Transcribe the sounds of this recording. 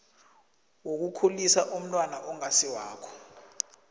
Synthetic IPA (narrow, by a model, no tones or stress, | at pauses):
wok̬ukʰulisaʔum̩nwanaʔɔŋasiwaːkʰɔ̥